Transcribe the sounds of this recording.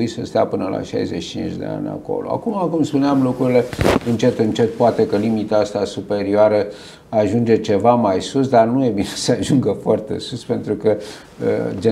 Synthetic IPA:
isəst̪eapɨnəla̰ʃa̰jzet͡ʃi̥t͡ʃint͡ʃʲd̪e̞̰a̰nʲa̰ko̞̰loa̰kumakumspuneamlukɾuɾile̞ɨnt͡ʃe̞t̪ɨnt͡ʃe̞t̪̚poat̪e̞kəlimit̪aast̪asupe̞ɾioaɾə | aʒund͡ʒe̞t͡ʃe̞vamajsusd̪arnuje̞bine̞səaʒuŋɡəfoart̪e̞̰suspe̞nt̪ɾukə̰ | d͡ʒe

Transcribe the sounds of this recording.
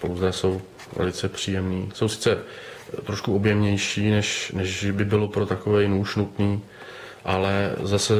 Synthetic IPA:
po̰wzɛso̞w | vɛ̰lɪt͡sɛpr̝̥iːjɛmniːso̞wsɪ̥t͡sɛ | t̪ɾoʃkuo̞bjɛmɲɛjʃiːnɛʃnɛʒbɪbɪlo̞pɾo̞t̪ako̞vɛjnuːʃnut̪niː | ʔalɛzasɛ

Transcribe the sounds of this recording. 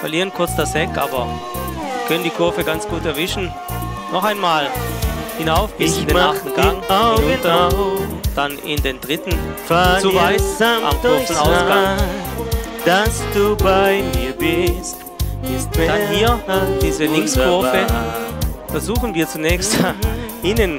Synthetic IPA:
fɐliːʁ̞ənkʰʊɐt͡sd̥ashɛkʔa̰ːbɐ | vkʰœnəndiːkʰʊɐfəɡant͡sɡ̥uːtɛɐvɪʃn̩ | nɔχaɪnmaːlhɪnaʊfb̥ɪsdean̩ɡ̥aŋnʊt | d̥anɪ̰ndeːndʁɪtn̩fat͡suvaɪsʔa̰mɡøːsn̩aʊsɡa | d̥asd̥ubaɪb | d̥anhiːɐd̥iːzəlɪŋkskʰʊɐfə | fɛɐzuːχn̩viːɐt͡sunɛːçstʔiːnən

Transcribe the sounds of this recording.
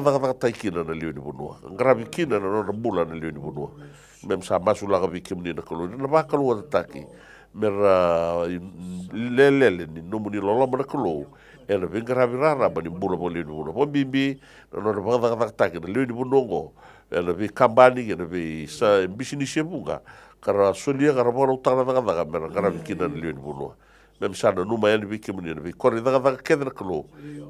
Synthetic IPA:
aðakaðakatajkinanaleoniβunṵa̰ŋɡaɾaβikinananondambulanaleoniβunua̰ | memsamasulakaβejkemuninakalownanaβakaluatatakḭ | meɾa | leleleninomunilolomanakalow | enaβejŋɡaɾaβiɾaɾabanimbulaβaɡaleoniβunuaβambimbi | na̰nonaβakaðakaðakatakinalewniβunoaŋɡo̰ | ḛnaβejkambaniɡenaβejsambisinisieβuŋɡa̰ | kaɾasoliakaɾaβakaɾawtakanaðakaðakameɾaŋɡaɾaβikinanaleowniβunṵa̰ | memisananumaenaβejkemunienaβejkoɾiðakaðakakeðenakalow

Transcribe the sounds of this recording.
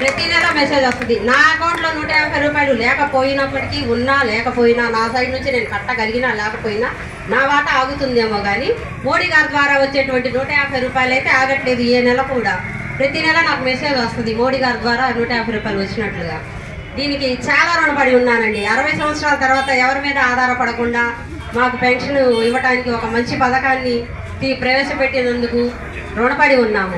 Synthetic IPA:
pɾɐt̪inɛlɐmese̞ːd͡ʒɐst̪und̪inaːɐkɐwɳʈlo̞ːnuːʈɐjaːɾɐpʰɐjɾuːpaːjlulɛːkɐpo̞ːjinɐpːɐʈikiunːaːlɛːkɐpo̞ːjinaːnaːsaːɾinuɲt͡ʃine̞ːnukɐʈːɐɡɐliɡinaːlɛːkɐpoːjinaː | naːʋaːʈɐaːɡut̪und̪eːmo̞ːɡaːni | mo̞ːɽiːɡaːɾd̪ʋaːɾaːʋɐt͡ʃːe̞ːʈuʋɐɳʈinuːʈɐjaːɐpʰɐjɾuːpaːjulɐjt̪e̞ːaːɡɐʈle̞ːd̪ueːnɛlɐkuɳɖaː | pɾɐt̪inɛlɐnaːkumesed̪ʋɐst̪und̪imo̞ːɽiːɡaːɾd̪ʋaːɾaːnuːʈɐjaːpʰɐjɾuːpaːjɐluʋɐt͡ʃːinɐʈluɡa̰ː | d̪iːnikit͡ʃaːlaːɾuɳɐpɐɽiunːaːnɐɳɖiɐɾɐʋɐjsɐmʋɐt̪sɾaːlɐt̪ɐɾʋaːt̪ɐɛʋɐɾimiːd̪ɐaːd̪ʱaːɾɐpɐɽɐkuɳɖaː | maːkupeɳʂɐniʋɐʈaːnikiɔkɐmɐɲt͡ʃipɐd̪ɐkaːnːi | t̪iːpɾɐʋɛːʃɐpe̞ʈːinɐnd̪uku | ɾuɳɐpɐɽiunːaːmu

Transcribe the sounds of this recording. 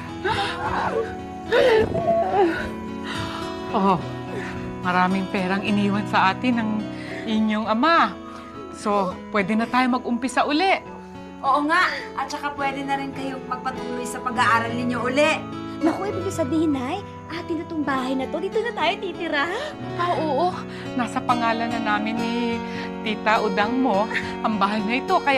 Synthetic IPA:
ʔo | mɐɾaːmɪŋpɛːɾɐŋɪniːwɐnsɐʔaːt̪ɪnɐŋʔɪɲo̞ŋɐma | so̞pwɛːd̪ɛnɐt̪aːjomɐɡ̚ʔʊmpɪsɐʔʊlɛʔ | ʔoːʔoŋaʔɐt̪̚t͡ʃɐkapwɛːd̪ɛnɐɾɪnkɐjoŋmɐɡ̚pɐt̪ʊlujsɐpɐɡɐʔaːɾɐlnɪɲoʔʊlɛʔnɐkoʔɪbɪɡasɐbiːhɪnaj | ʔaːt̪ɪnɐt̪oŋbaːɦɐjnɐt̪o̞d̪iːt̪onɐt̪aːjot̪iːt̪ɪɾa | ʔoʔoːʔo | naːsɐpɐŋaːlɐnɐnaːmɪnːɪ | t̪iːt̪ɐʔʊd̪ahmo̞ | ʔɐŋbaːɦɐjnɐʔɪt̪o̞kɐj

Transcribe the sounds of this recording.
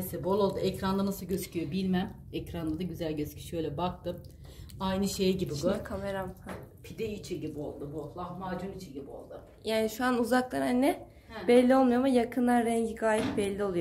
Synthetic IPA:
esɛbolˠo̞lˠd̪uʔɛcɾand̪anasɯlˠɟøscʰyjobilʲmæmɛcɾand̪ad̪aɟyzælʲɟøscʲʰi̥ʃøjlʲɛbak̚t̪ɯm | ajnɯʃejɟibiɡokʰameɾamhapʰid̪eit͡ʃʰinɟibio̰lˠd̪ubolˠahmaːd͡ʒunit͡ʃʰinɟibio̞̰lˠd̪ʊ | jaːniʃuanuzaklˠaɾannɛ | b̥ɛlʲːio̞lˠmujomjakʰɯnlˠaɾɾɛɲɟiɡaːjit̪̚bɛlʲːio̞lˠujo

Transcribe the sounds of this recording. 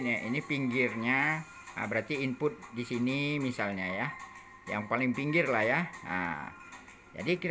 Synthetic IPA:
naʔḭnipiŋɡɪrɲa | ə̰bəɾart̪iːmpʊt̪̚disinimisalɲaja | ja̰ŋpalɪŋpiŋɡɪrlahjaə̰ | d͡ʒa̰diki

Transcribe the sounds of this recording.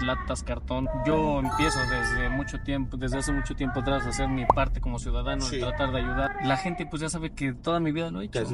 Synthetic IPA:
lat̪askaɾt̪o̞nɟ͡ʝo̞empje̞so̞ðezðemut͡ʃot̪jempd̪e̞zðe̞as̬emut͡ʃo̞t̪je̞mpot̪ɾazðese̞ɾmipaɾt̪e̞ko̞mo̞sjuðaðanoet̪ɾat̪aɾðeaʝuðaɾlaxe̞nt̪e̞pwe̞zʝasaβeket̪o̞ðamiβiðaloet͡ʃo

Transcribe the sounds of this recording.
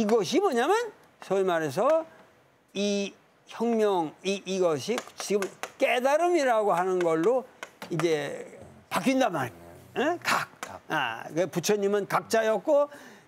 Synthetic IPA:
iɡʌɕʰimwʌɲamjʌn | sʰʌiɭmaɾe̞s̬ʰʌ | i | çjʌŋmjʌŋiːɡʌɕʰit͡ɕiɡɯmk͈edaɾɯmiɾaɡoɦanɯnɡʌɭːoid͡ʑe | pak͈ʰindamaɾekak̚a̰keput͡ɕʰʌɲimɯnkak̚t͡ɕ͈ajʌk̚k͈o

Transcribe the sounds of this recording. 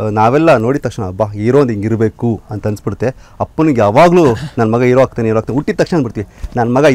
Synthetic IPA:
naːʋɛlːɐno̞ːɽit̪ːɐkʂɐnɐbaːiːɾo̞ːnd̪iŋɡiɾbeːkuɐnt̪ɐɐnsbiɽut̪ːe̞ɐpːɐnujaːʋaːɡluːnɐnːɐmɐɡɐiɾoʋaːɡ̚t̪iːneiːɾoaːkt̪iːnuʈːit̪ːɐkʂɐnaɐnbiɽt̪iʋinɐnɐmɐɡɐ

